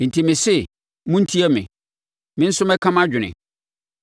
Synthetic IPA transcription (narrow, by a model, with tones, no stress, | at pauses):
n̩˨tʰi˨mɪ̃˨sɛ˦ | mʊ̃˦n̩˦tʰi˦ɛ˦mɪ̰̃˨ | mɪ̃˦n̩˦sʊ˦mɛ˦kʰã˦ma˦d͡ʑᶣɪ˨nɪ̰̃˨